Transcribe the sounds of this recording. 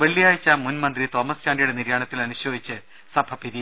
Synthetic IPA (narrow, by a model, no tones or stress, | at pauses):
ʋɐɭːijaːjɐt͡ɕːamunmɐnd̪rit̪o̞ːmɐsjaːnɖijuɽeniɾjaːɳɐt̪ːilɐnuɕjoːjit͡ɕːɨ | sɐbʱɐpiɾi